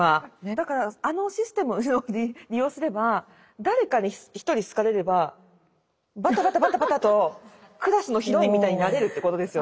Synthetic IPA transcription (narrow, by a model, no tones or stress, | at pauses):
ad̪akaɾaano̞ɕisɨ̥t̪e̞mɯ̟oiɾʲijo̞ːsɨɾe̞ba | d̪aɾe̞kaɲiçi̥t̪o̞ɾʲisɨ̥kaɾe̞ɾe̞ba | bat̪abat̪abat̪abat̪at̪o̞ | kɯ̟ɾasɨno̞çiɾo̞imʲit̪aiɲ̟inaɾe̞ɾɯ̟t̪ːeko̞t̪o̞d̪e̞sɨjo